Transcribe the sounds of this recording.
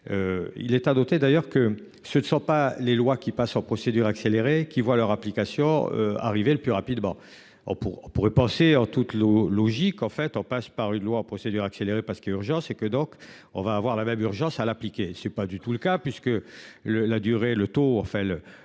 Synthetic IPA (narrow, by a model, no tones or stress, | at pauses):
øḭlɛt̪anɔt̪ed̪ajœʁkə | sənəsɔ̃palelwakʲipasɑ̃pχɔsed̪yʁakseleʁekʲivwalœʁaplikasjɔ̃ø̰a̰ʁiveləplyʁapid̪mɑ̃ | ɔ̰̃puʁɔ̰̃puʁɛpɑ̃seɑ̃t̪ut̪lɔlɔʒikɑ̃fɛt̪ɔ̃paspaʁynlwaɑ̃pχɔsed̪yʁakseleʁepaʁsə̥kɛyʁʒɑ̃sekəd̪ɔ̃k | ɔ̰̃vaːvwaʁlamɛmyʁʒɑ̃salaplikʲesɛpad̪yt̪uləkapɥiskələlad̪yʁelət̪oɑ̃fɛ̃lə